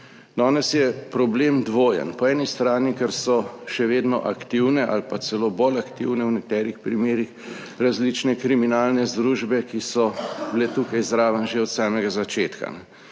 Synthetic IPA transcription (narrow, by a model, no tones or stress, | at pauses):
d̪ɔːnɛsjɛpɾɔbleːmd̪ʋoːjə̰npɔɛːnist̪ɾaːnikɛɾsɔʃɛʋeːd̪nɔ̰ʔakt̪iwnɛʔalpasɛloːbolakt̪ḭwnɛwnɛk̚t̪ɛːɾixpɾimeːɾix | ɾazlit͡ʃnɛkɾiminaːlnɛzd̪ɾuːʒbɛkisɔbilet̪uːkajzɾaːʋənʒeɔt̪saːmɛɡazat͡ʃeːt̪ka̰nɛ